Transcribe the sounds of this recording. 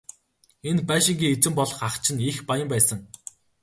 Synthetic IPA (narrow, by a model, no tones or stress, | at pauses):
enpæːʃɪ̆ŋɡʲiːet͡sɘ̆mpɔɮɞ̆χaχt͡ɕʰɪ̆nixpajə̆mpæːsə̆ŋ